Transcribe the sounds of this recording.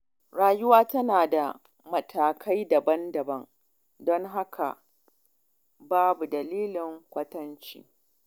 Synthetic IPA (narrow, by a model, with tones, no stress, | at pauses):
ɽaː˨jʊ˦waː˦tɐ˦naː˨da˨ | mɐ˨tʰaː˨kʰa˦jdɐ˨bɐ˦ndɐ˨bɐ˦ŋ | dɔ˦ŋɦa˦kʰa̰˨ | baː˦bu˨dɐ˨liː˦lɪ˨ŋkʷɐ˦tɐ˦nt͡ʃḭː˦